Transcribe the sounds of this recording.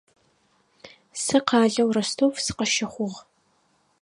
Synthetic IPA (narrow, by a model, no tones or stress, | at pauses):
sɨqɑːɮɐwrɐstʰoːfsɨ̥qɐʃɪχʷʊʁ